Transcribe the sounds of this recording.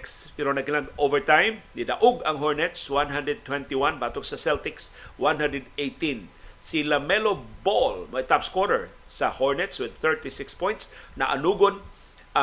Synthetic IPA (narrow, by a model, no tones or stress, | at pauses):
kspɛɾonɐɡɪnaɡovɛɹt̪ãjmnɪd̪aʔʊɡɐŋɦoɹnɛt̪swãnɦãnd̪ɾɛd̪̚t̪wɛ̃nt̪iwanbat̪oksɐsɛlt̪ɪkswãnɦãnd̪ɾɛd̪ejt̪ĩnsilɐmɛlobolmaɪt̪apskwɔɾɛ̰ɹsɐhoɹnɛt̪swɪd̪̚θɛɹt̪ɪsɪkspɔ̃jnt̪snɐʔa̰nuːɡon | a